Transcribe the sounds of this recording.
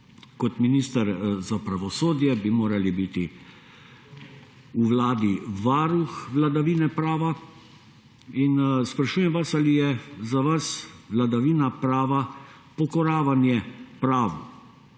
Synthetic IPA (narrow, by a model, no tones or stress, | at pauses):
kɔt̪miniːst̪əɾzapɾaʋɔsoːd̪jɛbimoːɾalibit̪i | uʋlaːd̪iʋaːɾuxʋlad̪aʋiːnɛpɾaːʋa | inspɾaʃuːjɛmʋasalijɛzaʋasʋlad̪aʋiːnapɾaːʋa | pɔkɔɾaːʋanjɛpɾaːʋu